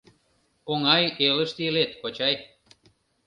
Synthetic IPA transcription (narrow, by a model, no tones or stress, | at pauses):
oŋɑjelə̆ʃt̪ilet̪̚kot͡ɕɑj